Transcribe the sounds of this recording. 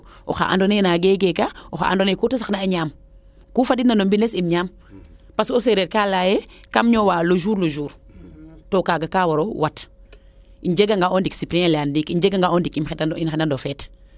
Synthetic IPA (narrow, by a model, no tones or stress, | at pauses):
ʔo̰xa̰ʔa̰ndoneːnaɡeɡekaoxa̰a̰ndonekutasaxnaːɲaːm | kufadinanombinesimɲaːm | pasoseɾet̚kalajekamɲɔwaloʒuːɾloʒuːɾ | tokaɡakaːwoɾowat | iɲd͡ʒeɡaŋɡaondiksipɾiɛlandikiɲd͡ʒeɡaŋɡaondikimxedinxenandofɛt